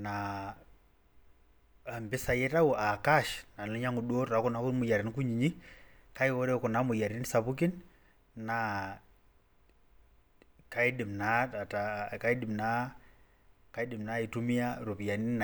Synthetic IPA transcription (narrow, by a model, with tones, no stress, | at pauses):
na˨ | mbi˦sa˨jɛ˦ta˦u˨ʔa˨ka˦ʃna˨nɔ˦ɲa˦ŋu˨ɗu˦ɔ˦tɾa˨ku˦na˨˦ku˦ɾi˦mu˨ja˨ɾi˨nku˦ɲiɲi˦ka˦i˦wɔ˦ɾɛ˦kɔ˨na˨˦mu˨ja˨ɾi˨˦n˦sa˨βu˦k̬i˦nː | a | ka˦i˦di˨mnaa˨taka˦i˦di˨mna˦ | kai˦di˨mna˦i˨tu˦mi˦a˦ɾu˨pi˨ja˨ni˦n